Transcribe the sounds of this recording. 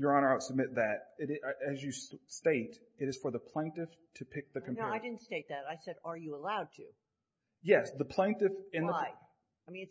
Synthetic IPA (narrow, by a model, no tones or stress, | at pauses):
jə˞ɑ̃ñə˞aʊtsəb̚mɪt̪̚ðɨɾɪɾʔɨzjɨssteɪɾ | ɨɾɨz̥fə˞ðəpʰl̥ẽɪ̃ntɨf | tʰɨpʰɪk̚ðɨkʰɨ̃m̩pnoʊaɪdɪdⁿn̩tsteɪt̪̚ðæɾaɪsɛɾə˞jɨəlaʊd̚tʰʉ̰ | jɛsðəpʰl̥ẽɪ̃ntɨfɨ̃nðəɪ | aɪmĩnɨ